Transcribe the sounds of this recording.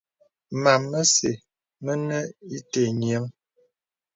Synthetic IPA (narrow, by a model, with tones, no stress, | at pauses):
ma˨mːə˦sḛ˨ | mə˦nə˦i˦te˨ɲjə˨˦ŋ